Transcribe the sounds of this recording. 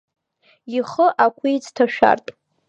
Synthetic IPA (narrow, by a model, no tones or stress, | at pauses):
iχəʔakʷʰijt͡sʰtʰaʃᶣa̰rtʼ